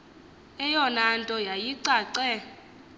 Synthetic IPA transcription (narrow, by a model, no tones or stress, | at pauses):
ɛjɔnantʼɔjajiǀaːǀɛ